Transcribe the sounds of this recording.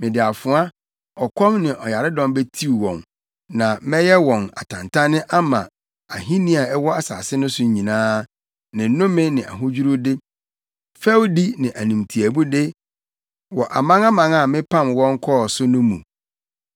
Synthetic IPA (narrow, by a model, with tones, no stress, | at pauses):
mɪ̃˨dɪ˨a˨fʊ˨a˦ | ɔ˨kʷʰɔ̃˦mnɪ̃˨ʔɔ˨ja˨ɾɪ˦dɔ̃˦mbe˦tʰi˦˨wɔ̰̃˨n | nã˨mɛ̃˦jɛ˦wɔ̃˨na˨tʰã̰˨ntʰã˦nɪ̃˦ʔa˦mã̰˨ | a˨ɦĩ˦nĩ˦a˨ɛ˦wɔ˦a˨sa̰ː˨sɪ˦nʊ̃˦sʊ˦˨ɲĩ˨nãː˦ | nɪ̃˨n˦nʊ̃˦mɪ̃˦nɪ̃˨ʔa̰˨ɦʊ˦d͡ʑᶣu˦ɾu˦dɪ˦ | fɛ˦wdi˦nɪ̃˨ʔæ˨nũ˨mtʰi˨æ˨bu˦dɪ˦ | wɔ˨ʔa˨mã˦ŋa˦mã˨ŋa˨mɪ̃˦pʰã˦mwɔ̃˦ŋ˦kʰɔ˦˨sʊ˦nʊ̃˦mṵ̃˨